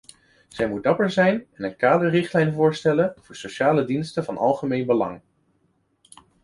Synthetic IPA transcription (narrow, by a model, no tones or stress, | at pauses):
z̥ɛjmud̚dɑpəɹzɛjnɛnənkaːdəɹrɪχtlɛjnvʊːɹstɛlənv̥ʊːɹsowʃaːlədinstəvɑnɑ̰lˠχəmejnbəlɑ̰ŋ